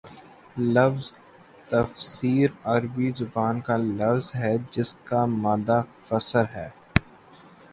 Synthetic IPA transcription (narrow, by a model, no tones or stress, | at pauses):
lɐfz | t̪ɐfsiːɾɐɾbizʊbaːnkalɐfzɦɛd͡ʒɪskamaːd̪afɐsəɾɦɛː